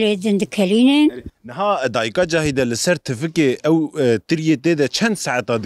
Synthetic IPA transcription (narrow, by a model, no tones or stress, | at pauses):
leːd̪ɨnd̪ɨkʰɛliːnennɨɦɑːd̪ɑːjikɑːd͡ʒɑːɦid̪ɛlɨsɛɾt̪ʰɨfɨkeːʔɛwt̪ɨɾjeːt̪eːd̪ɛt͡ʃʰɛnd̪saʕat̪ɑːd̪